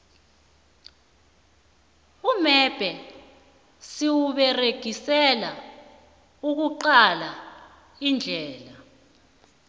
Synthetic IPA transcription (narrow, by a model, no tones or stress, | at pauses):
umɛb̥ʱɛ | siwuɓɛreɡ̥ʱisɛla | uk̬uǃala | ind͡ɮʱɛːla